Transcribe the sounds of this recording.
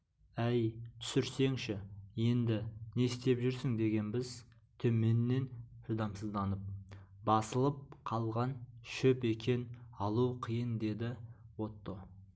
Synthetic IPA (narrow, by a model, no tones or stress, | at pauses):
æjt̪ʰʏ̥sɪɾse̞ŋʃɪje̞nd̪ɪne̞st̪e̞pʒʏɾsɪŋd̪e̞ɡʲe̞nbɪz | t̪ʰɵme̞nːe̞nhʊd̪ɑmsəzd̪ɑnəp̚bɑsəlˠəp̚qʰɑlˠʁɑnʃʏpe̞kʲʰe̞nɑlˠuqʰijənd̪e̞d̪ɪwo̞t̪ːə